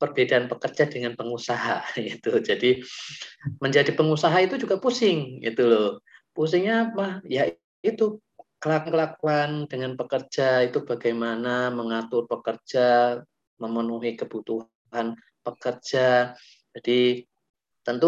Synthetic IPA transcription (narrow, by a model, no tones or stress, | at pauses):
pərbedaːnpəkərd͡ʒadəŋanpəŋusaɦaɡit̪ud͡ʒadi | məɲd͡ʒadipəŋusaɦait̪ud͡ʒuɡapusɪŋɡḭt̪ulɔpus̬ɪŋɲamahjaʔ | it̪u | kəlakəlakuandəŋanpəkərd͡ʒait̪ubaɡajmanaməŋat̪ʊrpəkərd͡ʒa | məmənuɦikəb̥ut̪uɦ | an | pəkərd͡ʒa | d͡ʒad̥i | t̪ənt̪u